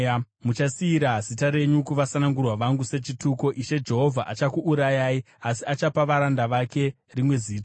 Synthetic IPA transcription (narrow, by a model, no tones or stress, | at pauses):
mut͡ʃasiːɾaɦzitaɾe̞ɲukuʋasanaŋɡurwaʋaŋɡuse̞t͡ʃituko̞ʔiʃe̞d͡ʒe̞ɦo̞vʱaʔat͡ʃakuʔːɾajai | asiat͡ʃapaʋaɾandaʋake̞ | rimwe̞ziːtḁ